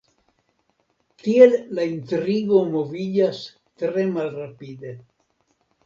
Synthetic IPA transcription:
tie̞llaintɾiɡo̞mo̞vid͡ʒas | tɾe̞malrapide̞

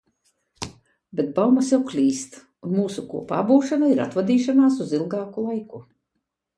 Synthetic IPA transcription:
bʲet̪̚bawmasjawklʲiːst̪ | unmuːsukṵɔpa̰ːbuːʃanaiɾa̰t̪vad̪iːʃanaːsuzilˠɡɑːkulˠajku

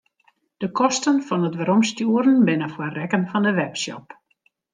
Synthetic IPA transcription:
d̥əkʰɔstənfɔnətʋəɾɔmstjuəɾənbɪnəfwərɛkənfɔndəʋɛpsjɔ̰p

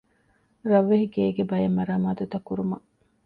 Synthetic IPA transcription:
ɾɐʋːeɦiɡeːɡebɐjemːɐɾaːmaːt̪ut̪ɐkːuɾumɐ

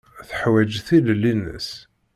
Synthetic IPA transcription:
θəħwæd͡ʒθillinə̰s

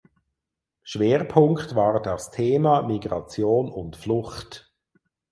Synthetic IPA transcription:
ʃveːʁpʰʊŋktvaːʁdastʰeːmamiɡʁɑt͡sjoːnʊntflʊχt

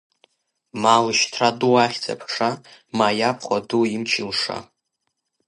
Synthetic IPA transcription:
malɨʃtʰraduaχʲd͡zʰʼa̰pʰʂamajapʰχʷaduimt͡ʃʰilʂa̰

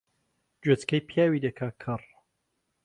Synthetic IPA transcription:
d͡ʒwet͡skɐjpʰijaːwid̪ɐkʰaːkʰɨr

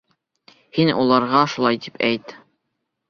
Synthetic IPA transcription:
hinulˠɑɾʁɑʃulˠɑjt̪i̥pʰæjt̪

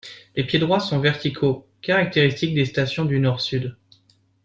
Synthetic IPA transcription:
lepjed̪ʁwasɔ̃vɛʁt̪ikʰo | kaʁak̚t̪eʁist̪ik̚d̪est̪asjɔ̃d̪ynɔʁsyd̪

